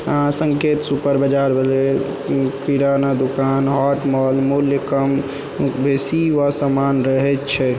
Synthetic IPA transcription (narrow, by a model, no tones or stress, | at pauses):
ãsəŋket̪supəɾbəd͡ʒaɾbele | kiɾanad̪okanɦɔʈmɔlmuljəkəm | bʱesiʋasamanɾəɦɛt̪t͡ʃʰɛ